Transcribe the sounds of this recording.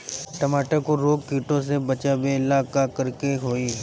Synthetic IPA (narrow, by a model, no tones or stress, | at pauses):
ʈɐmaːʈakoɾoːɡkiːʈõs̬ebɐt͡ʃaːbeɪlaːkakəɾkeɦoːi